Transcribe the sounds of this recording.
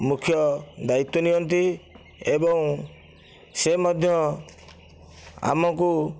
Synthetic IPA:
mukʰjɔd̪ait̪ːɔniɔnt̪̬i | ebɔŋ | semɔd̪ʱjɔ | a̰mɔku

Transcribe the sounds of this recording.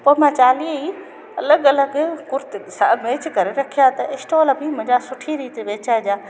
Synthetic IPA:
poːɪmãt͡ɕaːlii | ɐ̰ləɡɐləɡkʊɾt̪sameːt͡ʃkɐɾeɾɐkʰijat̪ɐʔɪsʈoːlbʱimʊ̃ɦɲd͡ʑasʊʈʰiɾiːt̪eʋeːt͡ɕad͡ʑaː

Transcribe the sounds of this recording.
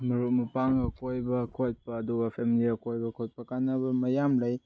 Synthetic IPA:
mɐɾumɐpaŋɐkojbɐkʰojt̚pɐːduɡɐpʰemiliɐkojbɐkʰojt̚pɐkanɐbɐmɐjamlɐj

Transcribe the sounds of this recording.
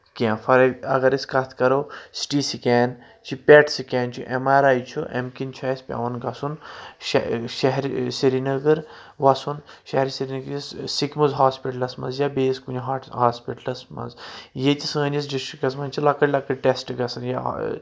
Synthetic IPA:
kʲãːfʰɐɾɐɐ̰ɡɐɾiskɐt̪ʰkɐɾoːsi̥ʈiːsikʲaːn | t͡ʃʰipʲeʈsikʲaːnt͡ʃʰuʔemaːɾaːjt͡ʃʰuʔḛmkint͡ʃʰaːsʲpʲɐ̰ʋɐnɡɐsunʃʃɐɦɾsiɾinɐɡɐɾ | ʋɐsunʃɐɦɾisiɾiniɡissikʲmɐzɦaːspiʈɐlɐsmɐ̰nzjabeːskunɦɦaːspiʈlɐsmɐ̰zjet̪ʲisə̃ːnʲis̬ɖisʈɾikɐsmɐnʲt͡ʃʰilɐkɐɽʲlɐkɐɾʲʈesʈɡɐsɐnja̰

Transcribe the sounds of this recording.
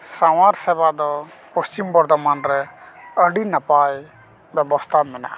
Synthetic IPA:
sawaɾsɛbad̪ɔpəst͡ʃimbɔɾd̪ɔmanɾɛəɖinapaj | bjɛbɔst̪ʰamina̰ʔ

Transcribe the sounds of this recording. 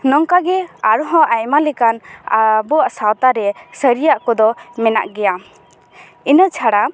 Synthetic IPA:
nɔŋkaɡɛaɾɔɦɔ̃ʔajmalɛkanabɔaʔsawt̪aɾɛsəɾijaʔkɔd̪ɔmɛna̰ʔɡɛja | inət͡ʃʰaɽa

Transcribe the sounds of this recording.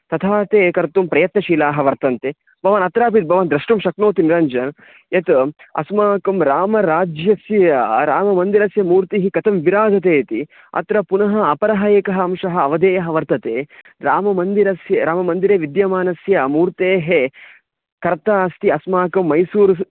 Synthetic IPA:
t̪ɐt̪ʰaːt̪eːkɐɾt̪umpɾɐjɐt̪nɐʃiːlaːɦɐʋɐɾt̪ɐnt̪e | bʱɐʋɐnɐt̪ɾaːp̬it̪̚bʱɐʋɐnd̪ɾɐʂʈumʃɐknoːt̪iniɾɐɲd͡ʒɐn | ɐt̪ɐ̰smaːkɐmɾaːmɐɾaːd͡ʒjɐsjɐɐɾaːmɐmɐnd̪iɾɐsjɐmuːɾt̪iɦikɐt̪ɐmʋiɾaːd͡ʒɐt̪eːt̪i | ɐ̰t̪ɾɐpunɐɦɐɐpɐɾɐɦɐeːkɐɦɐɐmʃɐɦɐ̆ːʋɐd̪eːjɐɦɐʋɐɾt̪ɐt̪eː | ɾaːmɐmɐnd̪iɾɐsjɐɾaːmɐmɐnd̪iɾeːʋid̪jɐmaːnɐsjɐmuːɾt̪eːɦe | kɐɾt̪aːst̪iɐsmaːkɐmːɐjsuːɾ

